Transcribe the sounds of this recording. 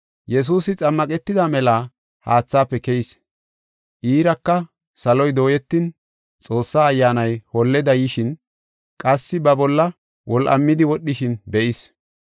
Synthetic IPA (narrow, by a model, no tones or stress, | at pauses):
jɛs̬uːsɪt͡sʼɐmːɐkʼɛt̪ːɪd̪amɛlaː | ha̰ːt͡sːaːpːɛkɛjɪs | ʔiːɾɐkːɐ | sɐlɔjd̪o̞ːjɛt̪ːɪn | t͡sʼo̞ːsːaːjːaːnɐjhɔlːɛd̪ɐjɪʃɪn | kʼɐsːɪbɐbɔlːɐ | wɔlʔɐ̰mːɪd̪ɪwɔɗːɪʃɪnbɛʔɪs